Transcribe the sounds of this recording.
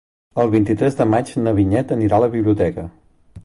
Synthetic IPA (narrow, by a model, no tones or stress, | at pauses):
əlˠβint̪it̪ɾɛzd̪əmad͡ʒnəβiɲɛt̪əniɾaləβiβliut̪ɛkə